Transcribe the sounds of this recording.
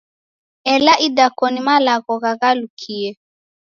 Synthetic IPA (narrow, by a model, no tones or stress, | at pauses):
ɛlaʔidakɔnimalaɣɔɣaɣalukʰiɛ